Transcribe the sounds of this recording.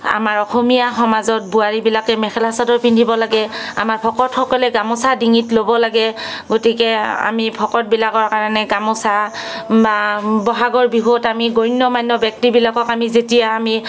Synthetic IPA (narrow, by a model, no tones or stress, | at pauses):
a̰maɹɔxomijaxɔmazɔt̚buaɹibilakɛmɛxɛlasadɔɹpʰindʱibɔlaɡɛa̰maɹpʰɔkɔtxɔkɔlɛɡamɔsadiŋitlobɔlaɡɛɡotikɛa̰mipʰɔkɔt̚bilakɔɹkaɹɔnɛɡamɔsababɔɦaɡɔɹbiɦotamiɡonːɔmajnːɔbjɛk̚tibilakɔkamizetijaːmi